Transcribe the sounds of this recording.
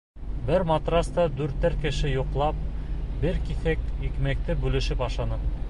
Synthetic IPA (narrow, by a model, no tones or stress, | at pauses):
bɘɾmɑt̪rɑst̪ɑd̪ʉɾt̪ːæɾkɘ̆ʃɘjuqlˠɑp̚bɘɾkiθækikmæk̚t̪ɘbʉlɘ̆ʃɘpɑʃɑnɤ